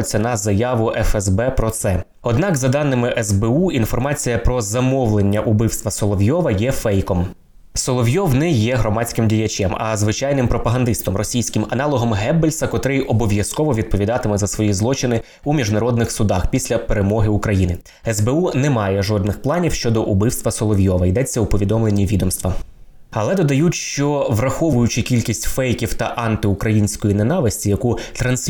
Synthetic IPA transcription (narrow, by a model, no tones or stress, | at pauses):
t͡sʲːɐnɐzɐjɑʋʊʔɛfɛzbɛpɾɔt̪sɛ | ɔd̪nɑkzɐd̪ɑnːɪmɪʔɛzbɛuinfɔrmɑt͡sʲijɐpɾɔzɐmɔʋlˠenʲːɐʔʊbɪwst̪ʋɐsɔlˠɔʋʲjɔʋɐjɛfɛjkɔm | sɔlˠɔʋjɔwnɛjɛɦɾɔmɑt͡sʲkɪmdʲijɐt͡ʃʲɛmɐ̰zʋɪt͡ʃɑjnɪmpɾɔpɐɦɐnd̪ɪst̪ɔmrɔsʲijsʲkɪmɐnɑlˠɔɦɔmɦɛbelʲsɐkɔt̪ɾɪjɔbɔʋʲjɐskɔʋɔʋʲid̪̚pɔʋʲid̪ɑt̪ɪmɛzɐsʋɔjizlˠɔt͡ʃɪnɪ | umʲiʒnɐɾɔd̪nɪxsʊd̪ɑxpʲisʲlʲɐpeɾemɔɦɪukɾɐjinɪ | ɛzbeunɛmɑjɛʒɔd̪nɪxplˠɑnʲiwʃt͡ʃɔd̪ɔʔubɪwst̪ʋɐsɔlˠɔʋʲjɔʋɐjd̪ɛt͡sʲːɐupɔʋʲid̪ɔmlˠenʲːiʋʲid̪ɔmst̪ʋɐ | ɐlˠɛd̪ɔd̪ɐjutʲʃt͡ʃɔʋrɐxɔʋʊjʊt͡ʃɪkʲilʲkʲisʲtʲfɛjkʲiwt̪ɐʔɑnt̪ɪukɾɐjinʲsʲkɔjinenɑʋɪsʲtʲijɐkut̪ɾɐnsʲ